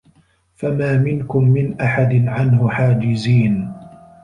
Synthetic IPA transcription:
famaːmɪnkʊmːɪnʔaħad̪ɪnʕanhʊħaːd͡ʒɪziːn

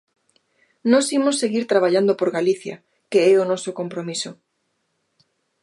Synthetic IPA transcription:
nɔsimosːeɣiɾt̪ɾaβ̞aʎand̪opoɾɣaliθja̰ | keɛonɔsokompɾomiso

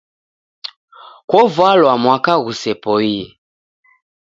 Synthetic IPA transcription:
kwɔvwalwamwakaɣusɛpɔiɛ

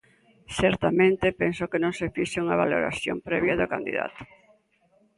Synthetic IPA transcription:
sɛɾt̪amẽnt̪epɛnsʊkenõŋsefiʃauŋɐβa̰lo̰ɾa̰θjo̰mpɾɛβ̞jɐðokand̪ḭða̰t̪ʊ̥

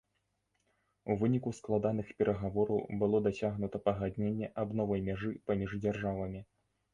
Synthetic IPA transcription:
uvɨnʲikusklˠad̪anɨxpʲɛɾɐɣavɔɾɐwbɨlˠɔd̪asʲaɣnut̪ɐpɐɣad̪nʲenʲːɛʔabnɔvɐjmʲaʐɨpamʲiʐd͡zʲarʐavɐmʲi

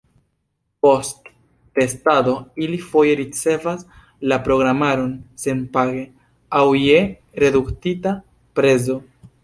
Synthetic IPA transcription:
po̞stː | e̞stado̞ilifo̞je̞ɾit͡se̞vas | lapɾo̞ɡɾamaɾo̞nse̞npaɡe̞ | awje̞ | ɾe̞duktita | pɾe̞zo̞

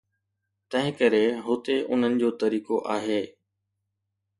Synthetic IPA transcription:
t̪ɐ̃ɦɪ̃kɐɾeɦoːt̪eʔʊn̤ənɪ̆d͡ʑoːt̪ɐɾiːkoʔaːɦeː

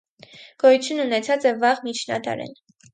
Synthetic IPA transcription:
ɡ̥ɔjut͡sʰjunːunɛt͡sʰɑt͡sɛvɑʁmit͡ʃʰnɑ̰d̪ɑ̰ɾɛ̰n

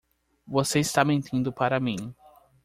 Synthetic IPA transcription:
voseist̪amẽnt̪ʰĩnd̪ʊpaɾɐmĩ

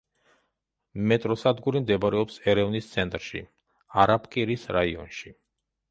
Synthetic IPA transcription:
mɛt̪ʼɾɔsad̪ɡuɾimd̪ɛbaɾɛɔpsɛɾɛvnist̪sʰɛnt̪ʼɾʃḭ | aɾapʰkʼiɾisɾaiɔ̰nʃi

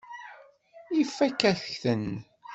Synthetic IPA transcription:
ifːækːæθθən

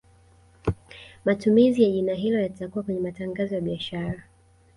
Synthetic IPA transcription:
matumizijaʄinaɦilɔjatakuwakwɛɲɛmataŋɡazɔjaɓiaʃaɾa

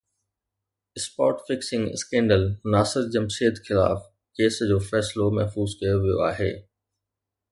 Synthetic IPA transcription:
ɪspaːʈfɪksɪ̃ŋɡɪ̰skẽːɳɖəlnaːsɪɾd͡ʑɐmʃeːd̪xɪla̰ːf | keːsd͡ʑoːfɛːslomɐɦfuːzkɐjoʋijo̰a̰ːɦḛː

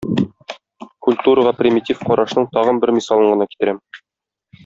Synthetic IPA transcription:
kulʲt̪uɾəʁɑprʲɪmʲɪtʲifqɒɾʔɑʃnɤɴt̪ɒʁɤnbɘɾmʲisɑlˠɤ̆ɴɢɤ̆nɑki̥t̪ɘ̆ɾæm

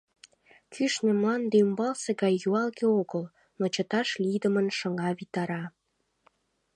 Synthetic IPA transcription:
kʰyʃnĕmlɑnd̪eymbɑlseɣɑjːuɑlɣeoɣəl | mŏt͡ɕət̪ɑʃlid̪əmənʃəŋɑβit̪ɑɾɑ

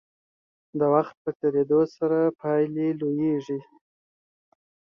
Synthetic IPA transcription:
d̪əwaxt̪̚pəkeɾed̪osaɾapʰɑjlelojeʐi

